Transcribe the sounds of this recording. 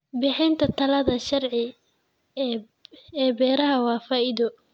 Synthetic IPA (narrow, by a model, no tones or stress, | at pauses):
bɪħɪːnt̪ʰɐt̪ʰɐlɐðɐʃɐrʕɪ | ɛːbɛːɾɐɦɐwɑːfaːʔɪðɔ